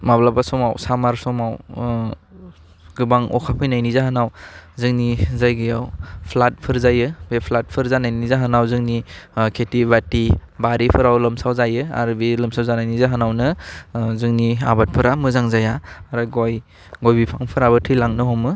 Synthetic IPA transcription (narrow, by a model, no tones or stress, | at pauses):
mablabasɔmawsamaɾsɔmaw | ɡɯbaŋɔ̰kʰapʰɯjnajnizaɦanawzɯŋnizajɡɯjawpʰlat̚pʰɯɾzajɯbepʰlat̚pʰɯɾzanajnizaɦanawzɯŋnikʰetibatibaɾipʰɯɾawlɯmsawzajɯa̰ɾbilɯmsawzanajnizaɦanawnɯzɯŋniabat̚pʰɯɾamɯzaŋzajaɾaɡoj | ɡojbipʰaŋpʰɯɾaβɯtʰɯjlaŋnɯɦɔmɯ